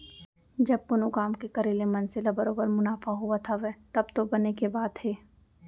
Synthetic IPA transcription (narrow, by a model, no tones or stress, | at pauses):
d͡ʒɐb̚kʊnokaːmkekɐɾelemɐnselabɐɾoːbəɾmʊnaːfaɦuat̪ʰaʋɛːt̪ɐbt̪obɐnekebaːd̪ɦeː